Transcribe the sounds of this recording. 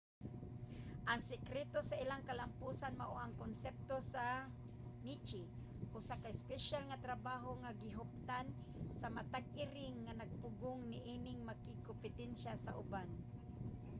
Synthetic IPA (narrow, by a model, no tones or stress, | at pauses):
ʔaŋsɪkɾɛt̪osaʔɪlaŋkalampusanma̰ʔoʔaŋkonsɛp̚t̪osa | nit͡ʃɪ | ʔosakaɪspɛʃalŋat̪ɾabaɦoŋaɡɪɦʊp̚t̪an | samat̪aɡ̚ʔɪɾɪŋːanaɡ̚pʊɡʊŋnɪʔinɪŋmakɪkompɪt̪ɛnʃasa̰ʔʊban